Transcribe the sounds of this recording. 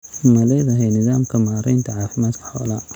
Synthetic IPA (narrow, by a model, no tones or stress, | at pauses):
mɐlɛːðɐɦɛjnɪðaːmkʰɐmaːɾɛjnt̪ʰɐʕaːfɪmaːd̪kʰɐ̥ħɔːlɐː